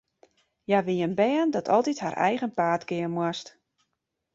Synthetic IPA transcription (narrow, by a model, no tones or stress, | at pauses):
jaʋiənbɛːəndɔtʰɔlˠtithaɾʔɛ̰jɣənpaːtkɪənmwast